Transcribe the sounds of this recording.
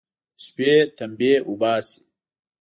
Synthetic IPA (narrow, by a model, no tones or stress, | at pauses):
speːt̪ɐmbeːʔubaːsi̥